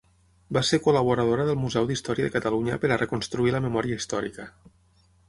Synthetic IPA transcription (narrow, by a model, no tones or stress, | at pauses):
basekuləβuɾəð̞oɾəðəlˠmuzɛwd̪ist̪ɔɾijəðə̰kət̪əluɲəpəɾərəkunst̪ɾuiləməmɔɾiəist̪ɔɾḭkə